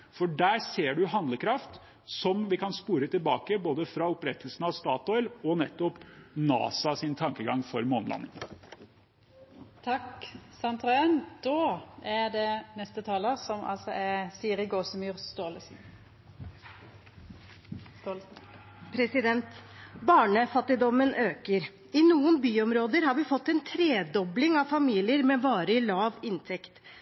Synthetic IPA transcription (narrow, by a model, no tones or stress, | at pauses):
fɔɖæːɾseːɖʉɦɑnd̪ləkʰɾɑft̪ | sɔmʋɪkʰɑnspuːɾət̪ʰɪlbɑːkəboːd̪əfɾɑʊpɾɛt̪ːəlsnɑʋst̪ɑːt̪ɔʏlɔnɛt̪ːɔpnɑ̰ːsɑsɪnt̪ʰɑŋkəɡɑŋfɔɾmoːnlʔɑ̰nːɪ̰ŋ | t̪ʰɑksɑnt̪ʰɾɑːənd̪̥oːæɖ̪ɛnɛst̪ət̪ʰɑːləʁsɔmʔɑ̰lsɔʔɛsiːɾɪɡoːsəmyːʁst̪oːləsn̩ | st̪ol | pʰɾɛsɪd̪ɛnt̪bɑːɳəfɑt̪ːɪd̪ɔmənʔøːkəɾ | ɪnuːənbyːɔmɾoːd̪əɾhɑɾʋɪfɔt̪ːɛnt̪ʰɾeːd̪ɔblɪŋɑʋfɑmiːlɪəɾmɛʋɑːɾəɪlɑːʋɪnt̪ʰɛkt̪